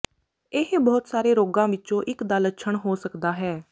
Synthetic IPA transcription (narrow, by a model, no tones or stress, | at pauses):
eɦbɔːt̪saːɾeːɾoːɡãːʋɪtːt͡ʃõːʔɪkd̪alətːʃʰəɳɦoːsəkd̪aːɦɛː